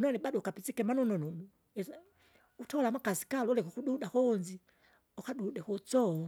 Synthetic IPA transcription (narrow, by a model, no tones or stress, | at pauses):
nɔnɛɓaɗɔkapit͡sikɛmanɔnɔnɔmu | ɛza | utɔlamakasi̥kalɔlɛkɔkuɗuɗakɔnzi | ɔkaɗuɗɛkɔt͡sɔɔ